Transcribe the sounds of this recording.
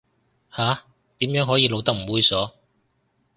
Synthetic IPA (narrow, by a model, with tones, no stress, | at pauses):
haː˨˥ | t̪iː˨˥mjœː˨˥ŋɦɔː˨˥jiː˧lo˨˧wt̪ɐ˥k̚m̩˨˩wuː˧jsɔː˨˥